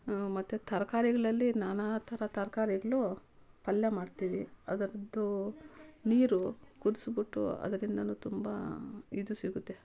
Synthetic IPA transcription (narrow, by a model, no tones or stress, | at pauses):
mɐt̪ːut̪ʰɐɾɐkaːɾiɡɐɭɐlːinaːnaːt̪ʰɐɾɐt̪ɐɾɐkaːɾiɡɐɭupɐljɐmaːɖt̪iːʋiɐd̪ɐɾɐd̪ːu | niːɾukud̪usbiʈːṵɐ̰d̪ɐɾind̪ɐnuːt̪umbɐ̰id̪usiɡut̪ːe